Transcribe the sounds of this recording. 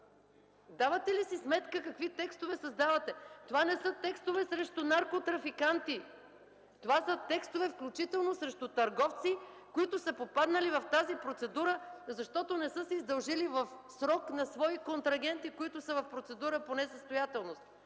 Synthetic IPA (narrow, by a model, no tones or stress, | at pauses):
d̪avɐt̪ɛlisismɛt̪kəkɐkvit̪ɛkst̪ovɛsɐzd̪avət̪ɛt̪ovanɛsət̪ɛkst̪ovɛsɾɛʃt̪ʊnaɾkot̪ɾɐfikant̪i | t̪ovasət̪ɛkst̪ovɛfklʲut͡ʃit̪ɛlˠnosɾɛʃt̪ʊt̪ɐɾɡɔft̪si | koit̪ʊsəpopad̪nəlivɐft̪azipɾot̪sɛd̪uɾəzɐʃt̪ɔt̪onɛsɤsɛizd̪ɐlˠʒilivɐfsɾɔknɐsvɔikont̪ɾɐɡɛnt̪ikoit̪ʊsəvɐfpɾot̪sɛd̪uɾəponɛsəst̪ojat̪ɛlˠnost̪